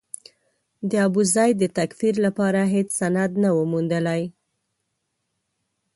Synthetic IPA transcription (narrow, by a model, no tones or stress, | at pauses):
d̪əabuzɑjd̪ət̪akfiɾlapɑɾaɦet͡ssanad̪nawəmund̪əlaj